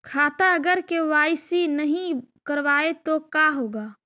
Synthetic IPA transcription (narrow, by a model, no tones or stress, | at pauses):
kʰaːt̪aɐɡəɾkeʋaːjsinɐɦĩkɐɾʋaːet̪okaːɦoːɡaː